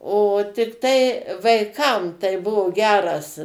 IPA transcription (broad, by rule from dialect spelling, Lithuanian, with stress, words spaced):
oː tʲɪkˈtɐɪ ʋɐɪˈkɐm tɐɪ ˈbʊʋoː ˈɡʲæːrɐs